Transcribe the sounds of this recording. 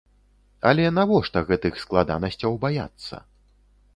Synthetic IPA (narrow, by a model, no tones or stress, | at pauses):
ɐlʲɛnavɔʂt̪ɐɣɛt̪ɨxsklˠad̪a̰nɐsʲt͡sʲɐwbaja̰t̪sːɐ̰